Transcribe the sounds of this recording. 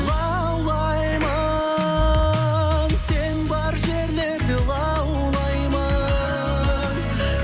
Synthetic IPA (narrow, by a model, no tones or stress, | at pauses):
ʁɑ | wlˠɑ | jmɑ | nse̞nbɑɾʒe̞ɾle̞ɾd̪ɪʁɑ | w | lˠɑjmɑ | n